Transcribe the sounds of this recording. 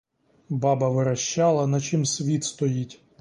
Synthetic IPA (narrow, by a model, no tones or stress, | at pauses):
bɑbɐʋɪɾɐʃt͡ʃɑlˠɐnɐt͡ʃɪmsʲʋʲit̪st̪ɔjitʲ